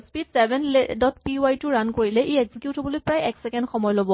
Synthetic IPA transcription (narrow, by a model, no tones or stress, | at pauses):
spidsɛbʱɛnledɔt̚piajtuɹankoɹilɛʔeeɡz̥ikjuthɔbɔlojpɹajɛksɛkɛndxɔmɔjɔlobɔ